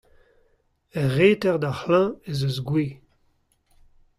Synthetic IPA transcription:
ɛʁeːtɛʁd̪ahlɛ̃ezøzɡweː

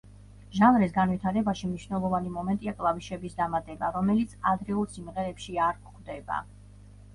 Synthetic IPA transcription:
ʒanɾisɡanwit̪ʰaɾɛbaʃimniʃvnɛlˠɔvanimɔmɛnt̪ʼiakʼlˠaviʃɛbisd̪amat̪ʼɛbaɾɔmɛlit̪sʰad̪ɾɛulˠsimʁɛɾɛpʃiaɾkχd̪ɛba̰

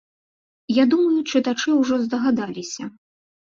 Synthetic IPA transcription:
jad̪umɐjut͡ʂɨt̪at͡ʂɨwʐɔzd̪ɐɣad̪alʲisʲɐ

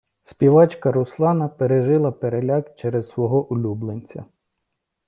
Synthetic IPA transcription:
spʲiʋɑt͡ʃkɐɾʊslˠɑnɐpeɾeʒɪlˠɐpeɾelʲɑkt͡ʃɛɾezsʋɔɦɔʔʊlʲublˠenʲt͡sʲɐ̰

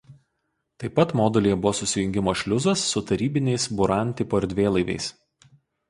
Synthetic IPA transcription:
t̪ɐɪpːɐt̪moːd̪ʲɛlʲijɛbʊʋɔːsʊsʲɪjʊŋʲɡʲɪmoːʃʲlʲʊzɐsːʊt̪ɐɾʲiːbʲɪnʲɛɪsbʊɾɑˑnʲt̪ʲɪpoːɪɾʲd̪ʲʋʲeːlˠɐɪʋʲɛ̰ɪs

